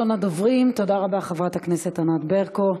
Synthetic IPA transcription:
onad̪ovʁimt̪o̞daʁabaχevʁataknesetanat̪beʁko

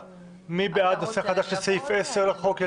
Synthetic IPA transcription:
mibead̪naseχad̪aʃlesejfeseʁlaχoke

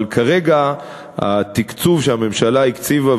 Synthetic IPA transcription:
lkʰaʁeɡa | a̰t̪ikt͡suvʃeame̞mʃalaikt͡siva

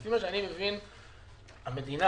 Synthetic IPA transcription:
fimaʃeanimevin | hame̞d̪ina

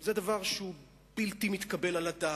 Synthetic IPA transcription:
zed̪avaʁʃeu | bilt̪imit̪kabe̞lalad̪a

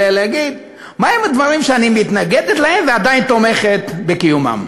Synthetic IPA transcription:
eleaɡid̪ | maemad̪vaʁimʃeanimit̪naɡed̪et̪laemvead̪ajnt̪o̞me̞χet̪bekijuma̰m

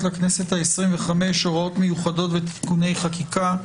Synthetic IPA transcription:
tlakne̞se̞thaesʁimveχamejʃoʁo̞tme̞juχado̞tvet̪i̥kune̞jχakika

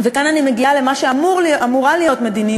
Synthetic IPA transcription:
vekananime̞ɡiale̞maʃeamuʁlʔamuʁalijot̪me̞d̪ini

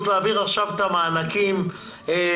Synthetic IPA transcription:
t̪leaviʁaχʃavet̪amaːnakim | e

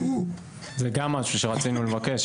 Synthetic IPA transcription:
zeɡamːaʃuʃe̞ʁat͡sinule̞vake̞ʃ

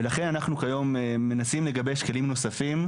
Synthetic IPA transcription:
elaχe̞nanaχnukajo̞mːe̞nasimle̞ɡabeʃke̞limno̞safim

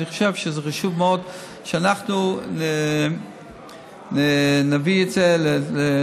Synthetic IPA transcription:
niχo̥ʃevʃezeχaʃuvmeod̪ | ʃɛanaχnune | nenaviezelele

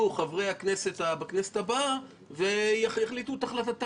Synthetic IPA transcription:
uχavʁejhakneset̪abakneset̪aba | ve̞jaχjaχlit̪ut̪aχlat̪at̪

